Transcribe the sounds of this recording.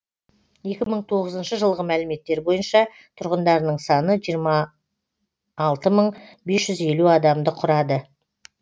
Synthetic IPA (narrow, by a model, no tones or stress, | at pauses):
je̞kʲɪməɴt̪ʰo̞ʁəzənʃəʒəlˠʁəmælɪme̞t̪ːe̞ɾbo̞jənʃɑ | t̪ʰʊɾʁənd̪ɑɾnəɴsɑnəʒijəɾmɑ | lˠt̪əməɴbe̞sʒ̥ʏze̞luɑd̪ɑmd̪əqʰʊɾɑd̪ə